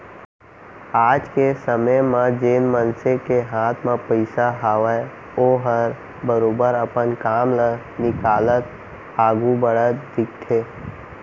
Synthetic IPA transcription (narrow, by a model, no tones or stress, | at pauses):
aːd͡ʒkesəməjmãd͡ʒeːnmənsekeɦaːt̪ʰmẽpəɪsaɦaːʋə | oːɦəɾ | bəɾoːbəɾəpənkaːmlə | nɪkaːlət̪ | aːɡubəɽət̪d̪ɪk̚t̪ʰeː